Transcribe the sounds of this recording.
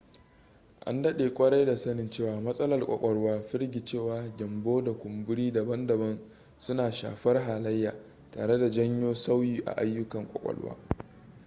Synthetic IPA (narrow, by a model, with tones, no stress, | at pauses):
ʔa̰˦ndɐ˦ɗeː˨kʷʼɐ˦ɽa˦jda˨sɐ˦nɪ˨nt͡ʃeː˦˨waː˨mɐ˦sʼɐ˦lɐ˨rkʷʼɔ̰˨kʷʼɔ˦ɽwaː˦ɸɪ˦ɾɡʲi˨t͡ʃeː˦˨waː˨ɡʲɪ˨mboː˦da˨kʷʊ˨mbʊ˦ɽiː˦da˨bɐ˦ndɐ˨bɐ˦n | sʊ˦naː˨ʃa̰ː˨ɸɐ˦rɦaː˨lɐ˦jːaː˨ | ta̰ː˨ɽe˦da˨d͡ʒɐ˦ɲjoː˦sa˦wjiː˨ʔa̰˨ʔa˦jːʊ˦kɐ˨ŋkʷʼɔ̰˨kʷʼɔ̰˨ɽwa̰ː˦